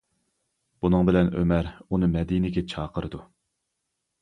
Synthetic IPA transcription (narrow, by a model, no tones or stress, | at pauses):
b̥unɨŋbɪlɛnømæɾunɨmɛd̪inɪɡʲɛt͡ʃʰɑːqʰəɾɨd̪u